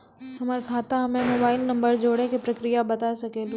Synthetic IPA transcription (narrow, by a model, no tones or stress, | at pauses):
sɐməɾkʰaːt̪aɐmẽmoːbaːɪlnɐ̃mbəɾd͡ʑoːɽekipɾɐkɾijabɐt̪aesɐkeːlu